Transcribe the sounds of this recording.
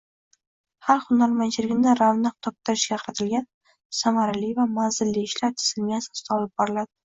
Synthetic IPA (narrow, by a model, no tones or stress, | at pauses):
haɾχʊnaɾmant͡ʃʰɪlɪɡʲnɪɾavnaq̚t̪ʰɒp̚t̪ʰɪɾɪʃɡʲaqʰɑɾat̪ʰɪlɡʲan | samaɾalivamanzɪlːiɪʃlaɾt̪ʰɪ̥sɪlmijasɒst̪ʰaɒlɪp̚bɒɾɪlad̪ɪ